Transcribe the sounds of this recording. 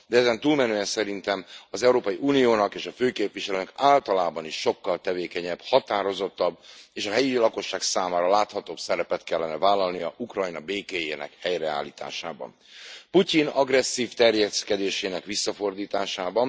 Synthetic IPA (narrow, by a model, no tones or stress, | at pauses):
d̪ɛɛzɛnt̪uːlmɛnøːɛnsɛɾint̪ɛmɒzɛuɾoːpɒjiʔuːnijoːnɒkeːʃɒføːkeːpʋiʃɛløːnɛkaːlt̪ɒlaːbɒniʃːo̞kːɒlt̪ɛveːkɛɲɛbhɒt̪aːɾo̞zo̞t̪ːɒbeːʃɒɦɛjilɒko̞ʃːaːksaːmaːɾɒlaːt̪hɒt̪oːbsɛɾɛpɛt̪kɛlːɛnɛvaːlːɒlnijɒʔukrɒjnɒbeːkeːjḛːnɛ̰khɛjrɛa̰ːlːiːt̪a̰ːʃa̰ːbɒ̰n | pucinɒɡrɛsːiːft̪ɛrjɛskɛd̪eːʃeːnɛkʋisːɒfo̞rd̪iːt̪aːʃaːbɒn